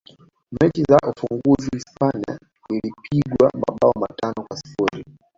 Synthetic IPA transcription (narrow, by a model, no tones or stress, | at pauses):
mɛt͡ʃizaʔufuŋɡuzihispania̰ | zilipʰiɡwa̰ma̰ɓaɔmatanɔkwasi̥fuɾi